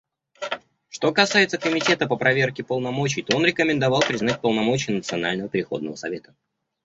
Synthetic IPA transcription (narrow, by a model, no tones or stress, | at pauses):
ʂt̪o̞kɐsajɪt̪səkəmʲɪtʲe̞t̪əpəpɾɐvʲerkʲɪpəlˠnɐmo̞t͡ɕɪjt̪o̞o̞nɾʲɪkəmʲɪnd̪ɐvɑlˠpɾʲɪznat̚ʲpəlˠnɐmo̞t͡ɕɪjənət̪sɨɐna̰lʲnəvəpʲɪɾʲɪxo̞̰d̪nəvəsɐ̰vʲe̞t̪ə̥